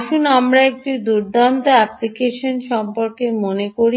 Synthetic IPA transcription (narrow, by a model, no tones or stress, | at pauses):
ʃunamɾaek̚ʈud̪uɾd̪ʱant̪oɛplikeʃonʃɔmpoɾkemonekoɾi